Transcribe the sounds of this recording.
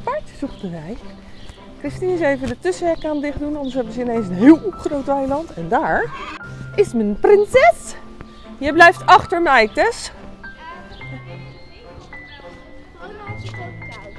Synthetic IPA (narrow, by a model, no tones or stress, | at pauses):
pɑɹtsuktənʋɛj | krɪstinəsejvədətɵsəʋɛɹkaːndɪχdunɑndəs̬ɦɛbənzəɪnejnsənɦɪːlˠχrowtɛjlɑntɛndaːɹ | ʔɪsmənprɪnsɛs | jəjblɛjftɑχtəɹmɛjtɛs